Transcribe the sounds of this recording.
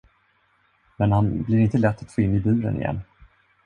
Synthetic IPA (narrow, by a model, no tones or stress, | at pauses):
mɛnhanblɪɾɪnt̪əlɛt̪ːat̪foːɪnːɪbʉ̟ːɾə̰nɪ̰jɛ̰nː